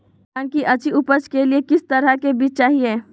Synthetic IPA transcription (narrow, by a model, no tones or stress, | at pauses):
ãːnkiʔɐt͡ʃʰiʊpət͡ʃkeliekɪst̪ɐɾəkebiːt͡ʃt͡ʃaːɦieː